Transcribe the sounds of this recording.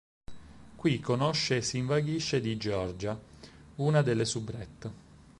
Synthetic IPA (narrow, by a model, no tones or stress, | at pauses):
kwikːonoʃːesiɱvaɡiʃːed̪id͡ʒeɔrd͡ʒauːnad̪elːesubɾɛt̪ː